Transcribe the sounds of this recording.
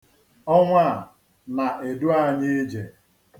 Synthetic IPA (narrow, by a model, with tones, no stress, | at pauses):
ɔ˦ŋʷa˦˨ | na˨ʔe˨du˦a˦˨ɲɪ˦d͡ʒe˨